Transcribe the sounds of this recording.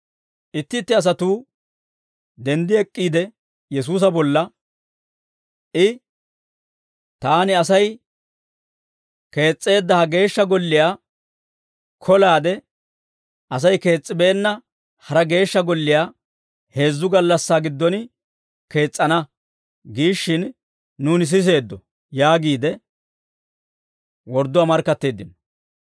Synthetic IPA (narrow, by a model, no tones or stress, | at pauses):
ɪt̪ːɪt̪ːɪɐs̬ɐt̪uː | d̪ɛnd̪ɪɛkʼːiːd̪ɛ | jɛs̬uːs̬ɐbɔlːɐ | ʔɪ | t̪aːnɪɐsɐj | ke̞ːt͡sʼːe̞ːd̪ːɐhɐɡe̞ːʃːɐɡɔlːɪjaː | kʰɔlaːd̪ɛ | ʔɐs̬ɐjke̞ːt͡sʼːɪbɛʔɛnːɐ | hɐɾɐɡe̞ːʃːɐɡɔlːɪjaː | he̞ːzːʊɡɐlːɐsːaːɡɪd̪ːɔnɪ | ke̞ːt͡sʼːɐnɐ | ɡiːʃːɪnː | uːnɪs̬ɪs̬e̞ːd̪ːɔ | jaːɡiːd̪ɛ | wɔɾd̪ːʊwaːmɐɾkːɐt̪ːe̞ːd̪ːɪn